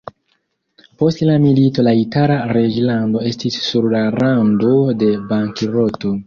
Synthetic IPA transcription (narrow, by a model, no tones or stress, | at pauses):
po̞stlamilito̞laitaɾaɾed͡ʒlando̞e̞stisːuɾlaɾando̞de̞baŋkiɾo̞to̞